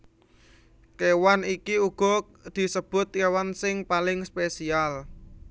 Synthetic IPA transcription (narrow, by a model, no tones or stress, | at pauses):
kewanikiuɡ̥ɔ̤ | d̪̥i̤səb̥ʊ̤t̪̚kewansɪŋpalɪŋspesial